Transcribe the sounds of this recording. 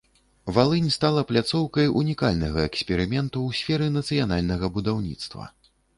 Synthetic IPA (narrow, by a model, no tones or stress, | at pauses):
valˠɨnʲst̪alˠɐplʲat̪sɔwkɐjʔunʲikalʲnɐɣɐɛksʲpʲɛɾɨmʲɛnt̪uwsʲfʲɛɾɨnɐt̪sɨjanalʲnɐɣɐbud̪awnʲḭt̪st̪vɐ̰